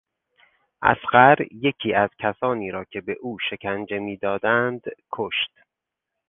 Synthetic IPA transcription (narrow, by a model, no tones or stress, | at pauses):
ʔæ̰sɢæɾje̞cʰiːæz̥cʰæsɒːniːɾɒːcʰe̞be̞ʔuːʃe̞cʰænd͡ʒe̞miːd̪ɒːd̪ænd̪kʰoʃt̪